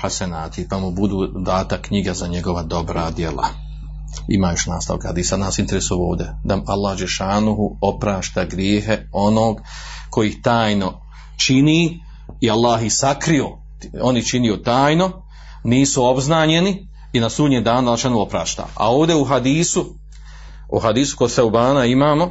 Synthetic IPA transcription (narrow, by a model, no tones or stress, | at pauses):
ħasanaːt̪ʰipamubud̪uːd̪aːt̪akːɲiɡazaɲe̞ɡo̞ʋad̪o̞bɾad̪je̞la̰ | ḭmaːjo̞ʃna̰ːst̪a̰ʋa̰khad̪iːsad̪naːsint̪eɾesuoːʋd̪ʲed̪aalˠːahd͡ʒeʃaːnuɦuo̞pɾaːʃt̪aːɡɾjeːɦeo̞noːɡ | kʰo̞jiːht̪aːjno̞ | t͡ʃiniː | ialˠːaːɦisakɾio | o̞nit͡ʃinijot̪aːjno̞ | niːsuo̞bznaːɲe̞ni | inasuːd̪ɲemd̪aːnalˠːʃanuopɾa̰ːʃt̪a̰ːa̰oːʋd̪euɦad̪iːsu | ṵɦad̪iːsu̥koɡsewbaːnaimaːmo̞